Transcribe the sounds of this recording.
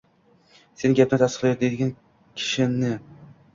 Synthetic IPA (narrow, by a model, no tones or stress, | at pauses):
se̞nɡʲap̚nɪt̪ʰast̪ɨ̥qlaj̪d̪ed̪ɪɡʲan | kʲʰɪ̥ʃɪnnɪ